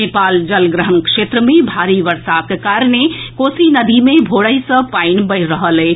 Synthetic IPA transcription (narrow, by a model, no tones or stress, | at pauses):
epald͡ʒəlɡɾəɦənkʂet̪ɾəmebʱaɾiʋəɾsakekaɾnekosinəd̪ʱimebʱoɽəjsə̃painbəɪɾəɦəlɛ